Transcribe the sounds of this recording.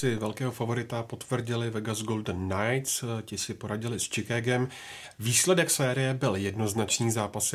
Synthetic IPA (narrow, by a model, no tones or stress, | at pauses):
sɪvɛlkɛːɦo̞favo̞ɾɪt̪apo̞t̪vr̩ɟɪlɪvɛɡazɡo̞ldənːajt̪scɪsɪpo̞ɾaɟɪlɪst͡ʃɪkaːɡɛm | viːslɛdɛksɛːɾɪjɛbɪljɛdno̞znat͡ʃniːzaːpas